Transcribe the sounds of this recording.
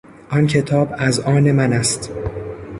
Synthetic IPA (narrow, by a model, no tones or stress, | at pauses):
ʔɒncʰe̞t̪ʰɒːbæzʔɒːne̞mænæst̪